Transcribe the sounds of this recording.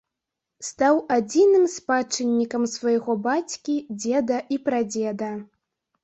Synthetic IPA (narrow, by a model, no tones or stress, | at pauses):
st̪awad͡zʲinɨmspat͡ʂɨnʲːikɐmsvajɣɔbat͡sʲkʲid͡zʲɛd̪ɐʔipɾad͡zʲɛd̪ɐ